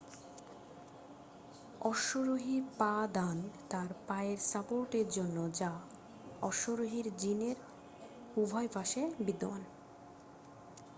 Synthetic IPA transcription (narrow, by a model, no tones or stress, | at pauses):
ɔʃoɾoɦiɾpad̪ant̪aɾpaeɾsapoɾʈeɾd͡ʑonːod͡ʑa | ɔʃoɾoɦiɾd͡ʑineɾ | ubʱɔepaʃebid̪oa̰n